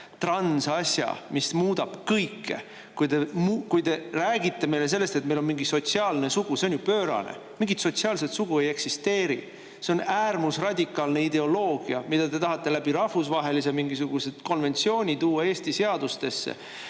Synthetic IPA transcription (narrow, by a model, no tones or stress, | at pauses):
t̪rɑnsɑsjɑ̰mismuːd̪ɑb̥kɤjkːe̞̰ | kujd̪e̞mukujt̪e̞ræːɡit̪ːe̞me̞jle̞s̬e̞lːest̪e̞t̪̚melo̞nmiŋɡiso̞t̪siɑːlne̞suɡ̥use̞o̞njupøːɾɑ̰nḛ | miŋɡit̪so̞t̪siɑːlse̞t̪suɡ̥ue̞je̞ksist̪e̞ːɾḭ | se̞o̞næːrmusrɑd̪ʲikˑːɑlne̞id̪e̞o̞lo̞ːɡ̥iɑmid̪̥ɑt̪e̞t̪ɑɦɑt̪ːe̞læb̥iɾɑhfusvɑɦe̞lis̬emiŋɡisuɡ̥use̞d̪̥ko̞nve̞nʲt̪sio̞ːnʲit̪uːɑe̞ːsʲt̪ise̞ɑd̪ust̪e̞sːḛ